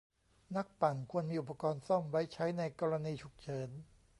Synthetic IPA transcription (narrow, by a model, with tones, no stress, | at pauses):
na˦˥k̚pa˨˩ŋkʰu˧ənmiː˧ʔu˨˩p̚ʰːa˧kɔː˧nsɔ˥˩mwa˦˥jt͡ɕʰa˦˥jna˧jkɔː˧ɾa˧niː˧t͡ɕʰu˨˩k̚t͡ɕʰɤː˦˥n